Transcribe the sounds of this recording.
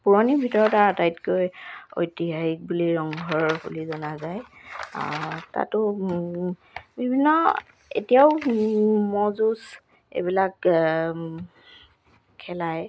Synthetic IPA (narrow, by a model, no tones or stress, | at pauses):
puɹɔnibʱitɔɹɔtaatajtkojo̰jtiɦahik̚buliɹɔŋɡʱɔɹhṵlizɔnazaj | ta̰tʊ | bʱibʱinːɔ | ḛtijaʊ | mɔzus | ḛbilak | kʰɛlaj